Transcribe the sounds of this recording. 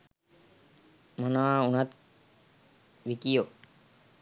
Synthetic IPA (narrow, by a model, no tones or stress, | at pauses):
manaːunat̪̚ | ʋikijo